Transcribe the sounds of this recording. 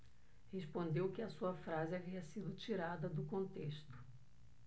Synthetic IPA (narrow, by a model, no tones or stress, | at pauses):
heʃpõnd̪ewkɪɐsuɐfɾazɪaviɐsid̪ʊt͡ʃiɾad̪ɐd̪ʊkõnt̪eʃt̪ʊ̥